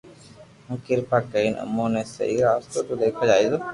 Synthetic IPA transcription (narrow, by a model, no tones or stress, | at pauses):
ũkɪɾpʰaːkəiːnʔə̰mːõːnẽːsə̰ɦiːɾaːst̪oːt̪ud̪eːkʰaːd͡ʒaːiːzoː